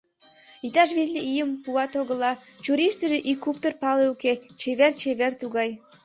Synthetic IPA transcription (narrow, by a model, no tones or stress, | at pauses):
it̪ɑʃβizlʲeijəmpuɑt̪oɣəlɑt͡ɕuɾiʃt̪əʒeʔikːupt̪ərpɑleuket͡ɕeβert͡ɕeβert̪uɣɑj